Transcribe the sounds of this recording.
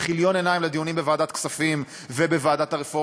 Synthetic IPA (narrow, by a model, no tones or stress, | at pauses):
χiljo̞ne̞naimled̪ijunimbevaːd̪at̪ksafim | vebe̞vaːd̪at̪aʁefo